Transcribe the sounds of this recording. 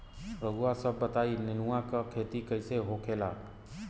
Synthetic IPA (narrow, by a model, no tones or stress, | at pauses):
ɾəɡuasəbːət̪aːinɪnuãkakʰeːt̪ikəɪseɦoːkʰeːla̰ːk